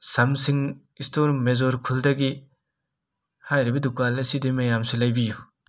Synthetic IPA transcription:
sɐmsiŋ | istoɾmezoɾkʰuldɐɡi | hajɾibɐdukalesidimɐjamsilajbiju

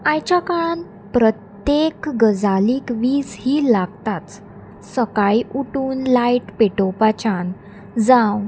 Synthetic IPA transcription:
ãjt͡ɕakan | pɾət̪jekɡəd͡zaliːkʋiːd͡zhiːlaɡ̚t̪at̪ | səkajuʈuːnlajʈpeʈopat͡ɕan | d͡zãw

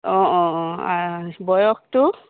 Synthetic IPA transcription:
ɔ̃ɔ̃ɔ̃a̰bɔjɔk̚tʊ

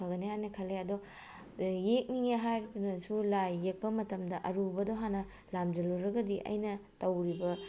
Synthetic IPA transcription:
ɐɡɐneanekʰɐlːeɐdo | jek̚niŋeɦajɾdunɐsulajːek̚pɐmɐtɐmdɐʔɐɾubɐdoɦanɐ | lamd͡ʒɐluɾɐɡɐdiʔɐ̰jnɐtɐwɾibɐ

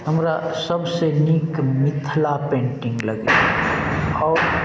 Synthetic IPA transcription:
ɦəmɾasɐbsenikmɪt̪ʰlapẽːɳʈɪ̃ŋɡləɡḛ | ɔːɾ

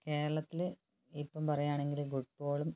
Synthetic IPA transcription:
ke̞ːɾɐɭɐt̪ːilɨ | ipːɐmpɐrɐjaːɳe̞ŋɡilɡuʈːoːɭum

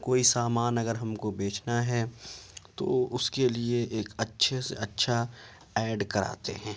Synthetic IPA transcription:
koːisaːmaːnɐɡəɾɦɐmkobeːt͡ʃʰnaɦɛt̪o̰ʊskelieʔeːkɐtːʃʰesḛɐtːʃʰa | ɛːɖkɐɾa̰ːt̪ḛɦɛ̃ː

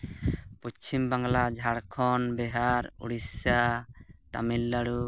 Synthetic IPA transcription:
pɔt͡ʃimbaŋlad͡ʒʱaɽkʰɔnbɛɦaɾṵɽisat̪a̰milːaɽu

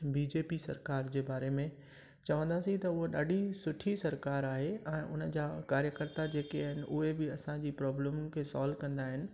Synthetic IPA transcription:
biːd͡ʑeːpisɐ̰ɾkaːɾd͡ʑeːbaːɾemẽ | t͡ɕɐʋə̃nd̪aːsĩt̪ɐʊɦoɗa̰ːɖʱisʊʈʰisɐɾkaːɾaːɦeɛ̃ːʔʊnə̆d͡ʑaːkaːɾjəkəɾt̪ad͡ʑeːkeaɦɪnɪ̆ʔʊɦebɪɐsãd͡ʑiːpɾɔːbləmkʰeːsaːlkɐ̃nd̪aːɦɪnɪ̆

